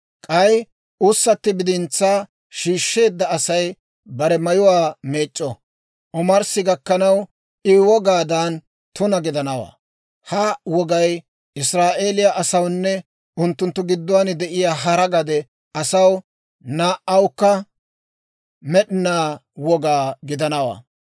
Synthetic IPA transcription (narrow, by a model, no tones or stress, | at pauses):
kʼɐj | ʊsːɐt̪ːɪbɪd̪ɪnt͡sːaː | ʃiːʃːe̞ːd̪ːɐɐsɐj | bɐɾɛmɐjʊwaːmeːt͡ʃʼːɔ | ʔɔmɐɾsɪɡɐkːɐnɐw | ʔɪwɔɡaːd̪aːn | t̪ʊnɐɡɪd̪ɐnɐwa̰ː | hɐwɔɡɐj | ɪsɾaːʔe̞ːlɪjaʔɐsɐwnːɛ | ʊnt̪ːʊnt̪ːʊɡɪd̪ːʊwaːnɪd̪ɛʔɪjaːɦɐɾɐɡɐd̪ɛ | ɐsɐw | naːʔɐwkːɐ | mɛɗɪnaːwɔɡaːɡɪd̪ɐnɐwa̰ː